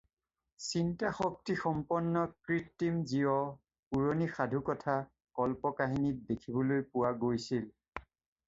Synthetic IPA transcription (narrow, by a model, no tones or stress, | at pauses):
sintaxɔk̚tixɔmpɔnːɔkɹitːimziɔ | puɹonixadʱukɔtʰa | kɔlpɔkaɦinit̚dekʰibɔlojpʊwaɡojsil